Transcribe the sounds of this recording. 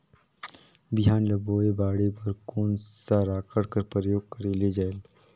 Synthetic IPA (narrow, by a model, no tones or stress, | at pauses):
bɪɦaːnlɐboːebaːɽepɐɾkoːnsaɾaːkʰəɽkəɾpɾəjoːɡ̚kəɾeled͡ʒaːel